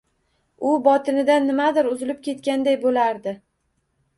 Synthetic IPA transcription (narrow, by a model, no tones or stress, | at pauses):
ʊbɒt̪ʰɪnɪd̪anːɪmad̪ɪɾʊzɪlɪp̚kʲʰe̞t̪kʲand̪ajbolaɾd̪ɪ